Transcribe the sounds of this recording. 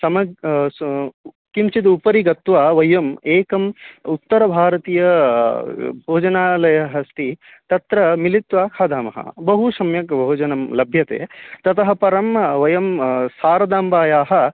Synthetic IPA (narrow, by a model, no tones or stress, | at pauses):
sɐmɐ | kimt͡ʃid̪upɐɾiɡɐt̪ʋaːʋɐjɐmeːkɐmut̪ːɐɾɐbʱaːɾɐt̪iːjɐ | bʱoːd͡ʒɐnaːlɐjɐɦɐst̪ʰi | t̪ɐt̪ɾɐmilit̪ʋaːkʰaːd̪ʱaːmɐɦɐ̰bɐɦusɐmjɐkbʱoːd͡ʒɐnɐmlɐbʱjɐt̪ḛːt̪ɐt̪ɐɦɐ̆pɐɾɐmʋɐjɐmsaːɾɐd̪aːmbaːjaːɦɐ̆